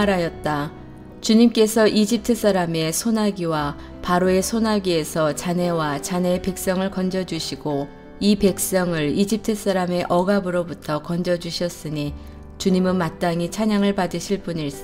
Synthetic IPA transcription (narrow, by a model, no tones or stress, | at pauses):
aɾajʌt̚t͈a | t͡ɕuɲimk͈e̞sʰʌʔid͡ʑip̚tʰɯs͈aɾame̞sʰonaɡiwa | paɾoe̞sʰonaɡie̞sʰʌt͡ɕane̞wat͡ɕane̞pe̞k̚s͈ʌŋɯɭkʌnd͡ʑʌd͡ʑuɕʰiɡo | ipe̞k̚s͈ʌŋɯɭid͡ʑip̚tʰɯs͈aɾame̞ʔʌɡabɯɾobutʰʌkʌnd͡ʑʌd͡ʑuɕʰʌs͈ɯɲi | t͡ɕuɲimɯnmat̚t͈aŋit͡ɕʰaɲaŋɯɭpadɯɕʰiɭp͈unis͈